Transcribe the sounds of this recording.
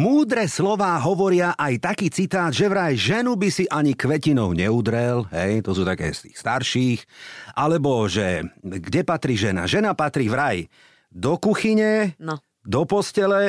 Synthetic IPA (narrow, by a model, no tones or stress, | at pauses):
muːd̪ɾɛslɔʋaːɦɔʋɔɾɪaʔajt̪akiːt͡sit̪aːd̪ʒɛʋɾajʒɛnubisiʔaɲikʋɛcinɔʊɲɛud̪ɾɛlɦɛjt̪ɔsuːt̪akɛ̰ːst̪i̥̰ːxst̪aɾʃiːxʔalɛbɔʒɛɡɟɛpat̪ɾiːʒɛna̰ʒɛnapat̪ɾiːʋɾaj | d̪ɔkuxiɲɛ | d̪ɔpɔscɛlɛ